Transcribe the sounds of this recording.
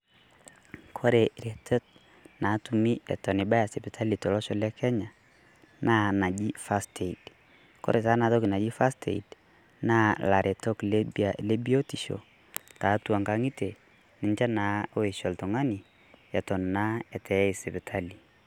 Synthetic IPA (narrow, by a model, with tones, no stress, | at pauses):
kʰɔ˦ɾe˨ɾe˨tɛ˦t̚ | na˨tu˨mi˦ɛ̰˨tɔ˨ni˨ba˦ja˨sɛ˨bɪ˨tʰa˦li˨tɔ˨lɔ˦ʃɔ˨lɛ˦kʰɛ˦ɲa˨ | na˦na˨d͡ʒi˦fa˦stʰe˨i˨d | kɔ̰˦ɾʔe˨ta˦na˨tɔ˦ki˨na˨d͡ʒi˦fa˦stḛ˨ḭ˨d | na˦la˨ɾʔe˨tɔ˦kle˦bia˨le˦bi˦o˦ti˨ʃo̰˨ | ta˨˦twa˨ŋka˦ŋi˦te˨ | nɪ˨ɲt͡ʃa˦na˨˦o˦e˨ʃɔ˨ltɔ˨ŋa˦ni˨ | ɛ˨tɔ˨nna˦ɛ˨tʰɛ˨˦i˨sɛ˨bɪ˨tʰa˦li˨